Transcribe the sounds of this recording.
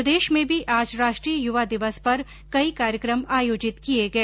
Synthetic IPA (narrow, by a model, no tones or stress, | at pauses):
ɐd̪eːʃmẽbʱiʔaːd͡ʒɾaːʃʈɾijəjʊʋad̪ɪʋəspɐɾ | kɐikaːɾjəkɾəmaːjoːd͡ʒɪt̪kijeɡɐeː